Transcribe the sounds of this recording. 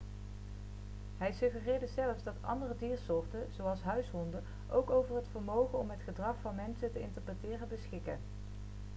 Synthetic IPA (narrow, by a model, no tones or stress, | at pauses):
ɦɛjsɵχərɪːɹdəzɛləfsdɑtʰɑ̰ndərədiːɹsʊːɹtənz̥owɑlˠsɦœɥsɦɔndə | ʔowkowvəɹɦətfəɹmowχənɔmɦətχədrɑχfɑnmɛnsətəɪntəɹprətɪːrəbəsχɪkə̰n